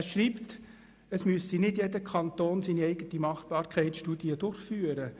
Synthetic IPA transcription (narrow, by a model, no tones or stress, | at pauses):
ʃriːpt | əsmyəsinɪdjɛdəkʰɑntoːnsiːniɛɪɡətimɑχpɑːɾkʰɛɪtʃtudiədʊrχfyːəɾə